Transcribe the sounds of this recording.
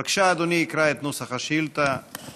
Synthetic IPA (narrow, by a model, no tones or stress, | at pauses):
akʃaːd̪oniːkɾaet̪nusaχaʃilt̪a